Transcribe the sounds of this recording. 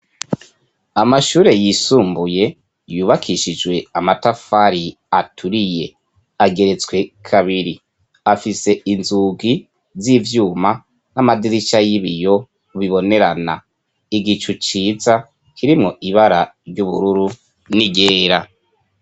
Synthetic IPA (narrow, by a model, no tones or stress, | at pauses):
amaʃuːɾe̞jisuːmbuje̞ | juːβakʰiʃid͡ʒwe̞amatafaɾi | atʰuɾije̞ | aɡe̞ɾe̞t͡sɡwe̞kʰaβiɾi | afise̞inzuɡi | zivjuːma | namadiɾit͡ʃajiβijo̞ | βiβo̞ne̞ɾana̰ | iɡit͡ʃut͡ʃiːza | kʰiɾimŋo̞ʔiβaɾaɾɟuβṵɾuɾu | niɡe̞ːɾa